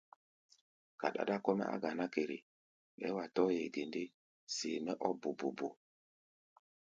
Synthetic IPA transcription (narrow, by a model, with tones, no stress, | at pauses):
ka̰˨ɗa̰˨da˦˨kɔ˦mɛ̰˦ʔa̰˦ɡa˨na˦ke˨ɾḭ˨ | ɛ̰˨˦wa˨tɔ˦jɛ˨de˨nde˦ | seː˨mɛ˦ʔɔ˦bu˨bu˨bo˨